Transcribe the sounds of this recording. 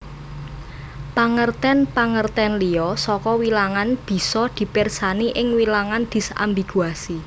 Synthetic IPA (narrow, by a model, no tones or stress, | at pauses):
paŋərt̪ɛnpaŋərt̪ɛnliɔsɔkɔwilaŋanb̥i̤sɔd̪̥i̤pɪrsaniʔɪŋwilaŋand̪̥i̤sa̰mbiɡ̥uasi